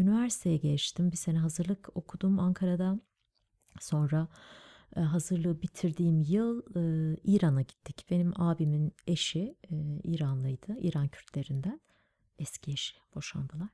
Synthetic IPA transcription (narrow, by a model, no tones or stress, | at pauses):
ynivæɾsi̥t̪ʰejɛɟet͡ʃt̪ʰimbise̞nɛɦazɯɾlˠɯko̞kʰud̪umaŋkʰaɾad̪an | so̞nɾa | ɦazɯɾlˠɯbit̪ʰiɾd̪iːmjɯlˠɯiːɾanaɟit̪ʰːicb̥e̞nimaːbimine̞ʃiiːɾanlˠɯjd̪̥ɯḭːɾancʰyɾt̪ʰlʲe̞ɾind̪æn | ɛscʰieʃi̥b̥o̞ʃa̰nd̪ɯlˠaɾ̥